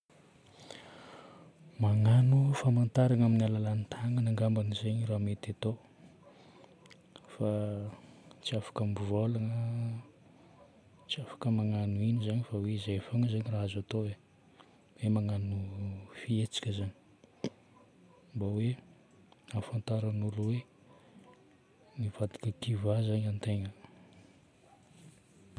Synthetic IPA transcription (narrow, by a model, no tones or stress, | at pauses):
maŋanufamant̪aɾaŋaminialalanit̪ʰaŋənaŋɡambanizeɲiramet̪at̪o | fa | t͡siafḁkambuvolaŋə | t͡siafḁkəmaŋanuinizaɲifaweizejfaŋəzaɲiraɦazat̪oe | wemaŋanufiet͡si̥kʲəzani̥ | mbawe | afant̪aɾanuluwe | niv̥ad̪i̥kəkivazaɲant̪eŋə